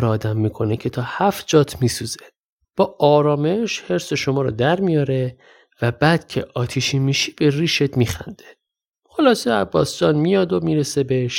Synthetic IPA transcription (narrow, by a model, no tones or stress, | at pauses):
ɾɒːd̪æmːiːkʰo̞necʰe̞t̪ʰɒːhæfd͡ʒɒːt̪ʰmiːsuz̥e | b̥ɒːʔɒːɾɒːme̞ʃhe̞ɾse̞ʃo̞mɒːɾɔ̰d̪æɾmijɒːɾe̞ | væbæːd̪̥cʰe̞̰ʔɒːt̪ʰiʃimiːʃi̥ːb̥e̞riːʃet̪miːxæ̰nd̪̥e | χo̞lɒːseæbːɒ̰ːsd͡ʒɒːnmijɒd̪omiːɾesebeʃ